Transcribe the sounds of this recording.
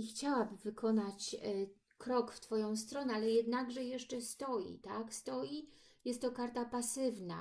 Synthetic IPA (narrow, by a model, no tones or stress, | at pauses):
ixt͡ɕawabɘvɘkɔnat͡ɕ | kɾɔkft̪fɔjɔ̃w̃st̪ɾɔnɛalɛjɛd̪naɡʐɛjɛʂt͡ʂɛst̪ɔjḭt̪akst̪ɔji | jɛst̪ːɔkaɾt̪apasɘvna̰